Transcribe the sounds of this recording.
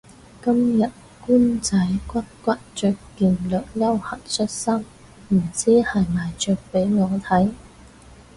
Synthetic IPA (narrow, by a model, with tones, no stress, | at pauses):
kɐ˥mjɐ˨t̚ | kuː˥nt͡sɐ˨˥jkʷɐ˥t̚kʷɐ˥t̚t͡ʃœː˨kːiː˨˩nlœː˨k̚jɐ˥whɐ˨˩t̚sɵ˥t̚sɐ˥m | m̩˨˩t͡siː˥hɐ˨jmaː˨jt͡ʃœː˨k̚pe˨˥jŋɔː˨˧t̪ʰɐ˨˥j